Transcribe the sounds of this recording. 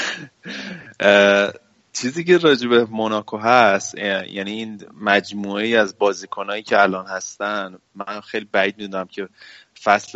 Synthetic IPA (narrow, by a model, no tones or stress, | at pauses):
t͡ʃʰiːziːce̞ɾɒːd͡ʒebe̞monɒːkʰoɦæsjæniiːnmæd͡ʒmuːejiːæzbɒːziːkʰonɒːjiːcʰeælɒːnhæst̪ænd̪ | mæxejlibæiːd̪̚mid̪unæmcʰe̞fæsl